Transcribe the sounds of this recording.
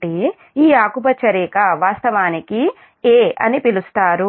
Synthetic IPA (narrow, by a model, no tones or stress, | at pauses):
i | iːaːkup̬ɐt͡ʃɐɾiːkɐʋaːst̪ɐʋaːniki | eːɐ̰nipilust̪aːɾu